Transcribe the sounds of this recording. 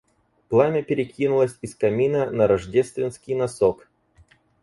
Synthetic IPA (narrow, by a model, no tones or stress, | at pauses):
plˠamʲɪpʲɪɾʲɪkʲinʊlˠəsʲɪskɐmʲinənɐɾɐʐdʲest̪vʲɪnskʲɪjnɐsok